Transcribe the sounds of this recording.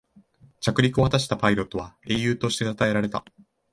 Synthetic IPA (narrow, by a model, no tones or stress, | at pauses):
t͡ɕakɯ̟ɾʲikɯ̟o̞hat̪aɕ̬i̥t̪apaiɾo̞t̪ːo̞β̞ae̞ːjɯ̟ːt̪o̞ɕi̥t̪e̞at̪ae̞ɾaɾe̞t̪a̰